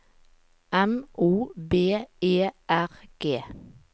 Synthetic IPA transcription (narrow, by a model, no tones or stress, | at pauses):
ʔɛmuːbeːeːʔæʁɡ̥eː